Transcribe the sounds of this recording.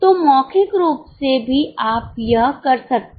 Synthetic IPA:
t̪omɔːkʰɪkɾuːpsebʱiʔaːpjɐɦkɐɾsɐk̚t̪

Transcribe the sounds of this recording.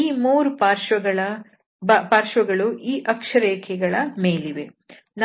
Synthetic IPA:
iːmuːɾupaːɾʃɐɡɐɭɐ | paːɾʃʋɐɡɐɭuʔiːʔɐkʂɐɾeːkʰɛɡɐɭɐmeːliʋe | n

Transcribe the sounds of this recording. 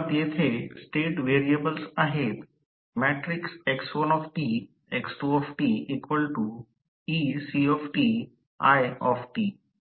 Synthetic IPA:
t̪jet̪ʰesʈeːʈʋeɾiəbəlsaːɦet̪ | mɛʈɾɪkseksɔnɔfʈi | eksʈuɔfʈiːikʋəlʈu | isiɔfʈi | a̰jɔfʈiː

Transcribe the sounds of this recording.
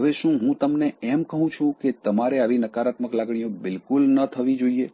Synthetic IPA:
ɦəʋeʃũɦũt̪əmneɛmkəɦũt͡ʃʰũket̪əmaɾeaʋinəkaɾat̪məklaɡɽ̃ijõbɪlkulnət̪ʰəʋid͡ʒoie

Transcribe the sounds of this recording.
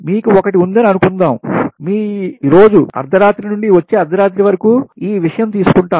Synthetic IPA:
miːkuɔkɐʈiund̪ɐniɐnukund̪aːmmiːiɾo̞ːd͡ʒuɐ̰ɾd̪ʱɐɾaːt̪ɾinuɳɖiʋɐt͡ʃːeːɐɾd̪ʱɐɾaːt̪ɾiʋɐɾɐkuːiːʋiʂɐjɐmt̪iːsu̥kuɳʈaː

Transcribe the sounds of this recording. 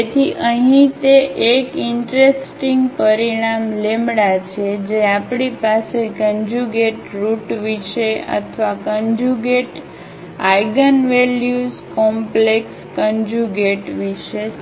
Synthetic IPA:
et̪ʰiʔəɦĩt̪eʔekɪɳʈɾesʈiŋɡpəɾiɽ̃amlemɽat͡ʃʰed͡ʒeapɳipasekəɲd͡ʒuɡeʈɾuʈʋiʃeə̰t̪ʰʋakənd͡ʒuɡeʈ | ajɡənʋeljuzkɔmplekskəɲd͡ʒuɡeʈʋiʃe

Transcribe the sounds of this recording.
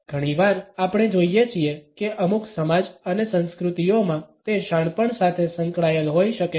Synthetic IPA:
ɡ̥ʱəɽ̃iʋaɾapɽ̃ed͡ʒoijet͡ʃʰiekeʔəmuksəmad͡ʒənesə̃nskɾut̪ijomãt̪eʃaɳ̃pəɳsat̪ʰesəŋkɭajəlɦojʃəke

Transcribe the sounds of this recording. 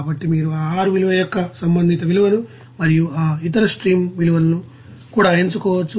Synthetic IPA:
bɐʈːimiːɾuaːaːɾuʋiluʋɐjɔkːɐsɐmbɐnd̪ʱit̪ɐʋiluʋɐnu | mɐɾijuaːit̪̬ɐɾɐsʈɾiːmʋiluʋɐlɐnu | kuːɽaːeɲt͡ʃukɔːʋɐt͡ʃːu

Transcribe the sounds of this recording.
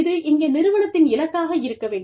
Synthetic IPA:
ðɯʔɪŋɡeːnɪɾɯʋɐɳɐt̪ːɪnɪlɐkːaːɣɐɪɾɯkːɐʋeːɳɖ

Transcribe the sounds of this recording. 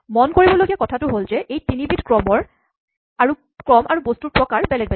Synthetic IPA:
mɔnkoɹibɔlojɡiakɔtʰatʊɦolzɛʔejtinibitkɹɔmɔɹ | aɹu | kɹɔmʔaɹubostupɹɔkaɹbɛlɛk̚bɛ

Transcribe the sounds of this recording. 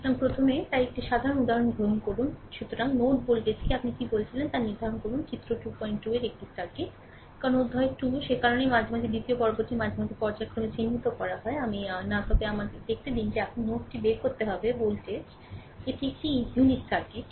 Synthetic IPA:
amipɾot̪ʰomet̪ajek̚ʈiʃad̪ʱaɾonud̪aɾonɡʱɾoɦonkoɾunʃut̪oɾaŋnoʈbolʈesʰkeapnikibolt͡ɕʰilent̪aɾniɾd̪ʱaɾonkoɾunt͡ɕit̪ːɾoʈupɔjɳʈːueɾek̚ʈisaɾkeʈ | kaɾonud̪ʱːɔekʈuʃekaɾonejmad͡ʑʱomad͡ʑ̪ʰʱed̪it̪iopɔɾoboɾʈimad͡ʑʱamad͡ʑ̪ʰʱepɔɾd͡ʑaekʰːɾomet͡ɕʰinːit̪okɔɾaɦɔeaminat̪ɔbeamad̪ed̪ek̚ʰʈ̪ed̪ind͡ʑeapninoʈʈibeɾkoɾt̪eɦɔbebolʈed͡ʑ | eʈiek̚ʈijuniʈsaɾkeʈ

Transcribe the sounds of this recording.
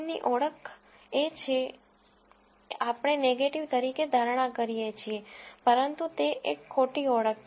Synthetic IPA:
nḭʔɔɭəkʰ | et͡ʃʰe | eʔapəɳ̃eneɡeʈiʋt̪əɾiked̪ʱaɾɽ̃ãkəɾijet͡ʃʰiepəɾənt̪ut̪eʔekʰːoʈiɔɭək̚

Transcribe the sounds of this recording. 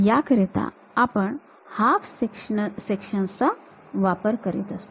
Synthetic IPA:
jakəɾet̪a̰ | apəɳ | hafsekʂsekʂənsa | ʋapəɾkəɾit̪əst̪o

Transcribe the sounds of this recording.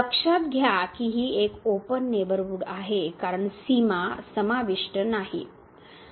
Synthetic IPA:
pəkʂat̪̚ɡʱjakiɦiːekopənːeʋəɾʋuɡaɦekaɾəɳsimasəmaʋiʂʈənaɦḭ

